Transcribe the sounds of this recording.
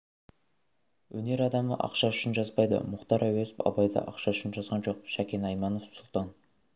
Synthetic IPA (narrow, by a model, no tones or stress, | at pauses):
wɵne̞ɾɑd̪ɑmə̰ʔɑ̰qʃɑʏʃɪnʒɑzbɑjd̪ə̰mʊqt̪ɑɾʔæwezɪpɑ̰bɑjd̪ə̰ʔɑ̰qʃɑʏʃɪnʒɑzʁɑnʒo̞q̚ʃækʲe̞nɑjmɑnofsʊlˠt̪ɑn